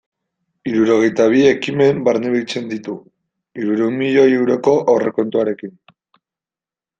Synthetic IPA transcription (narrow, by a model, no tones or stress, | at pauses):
iɾuɾo̞ɣ̞e̞jt̪aβ̞ie̞kime̞mbaɾneβiit͡se̞nd̪it̪u | iɾuɾeumiʎo̞jewɾo̞ko̞ʔawre̞ko̞nt̪uaɾe̞kin